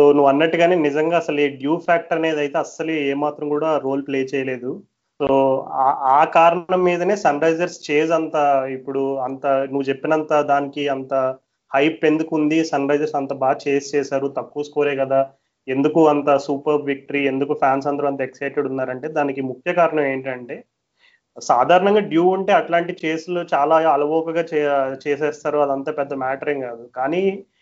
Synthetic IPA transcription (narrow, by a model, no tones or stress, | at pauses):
so̞ːnuʋɐnːɐʈːiɡaːneːnizɐŋɡaːsɐleːɖjuːpʰaːk̚ʈɐɾɐneːd̪ɐjt̪e̞ːɐsːɐlueːmaːt̪ɾɐmkuːɽaːɾo̞ːlpleːt͡ʃɛːjɐle̞ːd̪u | so̞ːaaːkaːɾɐɳɐmːiːd̪ɐne̞ːsɐnɾɐjd͡ʒɐɾst͡ʃe̞ːs̬ɐnt̪aipːuɽuɐnt̪ɐnuʋːut͡ʃepːinɐnt̪aːd̪aːnikiɐnt̪ɐ | hɐjpe̞nd̪ukund̪isɐnɾɐjd͡ʒɐɾsɐnt̪ɐbaːt͡ʃeːst͡ʃɛːsaːɾut̪ɐkːuːskoːɾeːkɐd̪aː | e̞nd̪ukuɐnt̪ɐsuːpɐɾʋik̚ʈɐɾie̞nd̪ukupʰjaːns̬ɐnd̪ɐɾuɐnt̪ɐɛksɐjʈeɽunːaːɾɐɳʈe̞ːd̪aːnikimukʰjɐkaːɾɐɳɐme̞ːɳʈiɐɳʈe̞ː | saːd̪ʱaːɾɐɳɐŋɡaːɖjuːɐɳʈe̞ːɐʈlaːɳʈit͡ʃeːslut͡ʃaːlaːɐlɐbɔːkɐɡaːt͡ʃt͡ʃɛːsɛːst̪aːɾuɐd̪ɐnt̪aːpɛd̪ːɐmaːʈɐɾiŋkaːd̪ukaːni